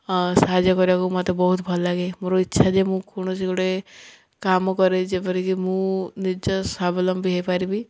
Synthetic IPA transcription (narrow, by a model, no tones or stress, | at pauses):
sad͡ʒɔkɔɾibakumat̪ebɔɦut̪bʱɔlɔlaɡemoɾɔitːʃʰad͡ʒemũkoɽ̃ɔsikɔɽe | kamɔkɔɾed͡ʒepɔɾikimũnid͡ʒɔsabʱɔlɔmbiɦajpaɾibi